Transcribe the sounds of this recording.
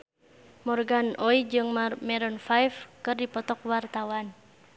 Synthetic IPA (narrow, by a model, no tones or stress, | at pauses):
mɔrɡanɔid͡ʒɨŋmɛɾɔnfajfkɨrdipɔt̪ɔk̚wart̪awan